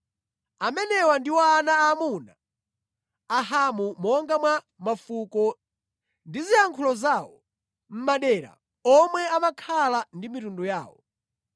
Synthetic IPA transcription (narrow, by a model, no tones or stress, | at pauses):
amɛnɛwandiwaːnaːmuna | aɦamumɔŋɡamwa | mafukɔ | ndiziaŋkʰulɔzawɔ | m̩maɗɛɾa̰ | ɔmwɛamakʰalandimitunduja̰ːwɔ